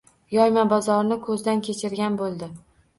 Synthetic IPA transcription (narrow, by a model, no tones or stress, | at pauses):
jɒjmabɒzɒɾnɪkʰɵzd̪ankʲʰe̞t͡ʃʰɪɾɡʲanbolˠd̪ɪ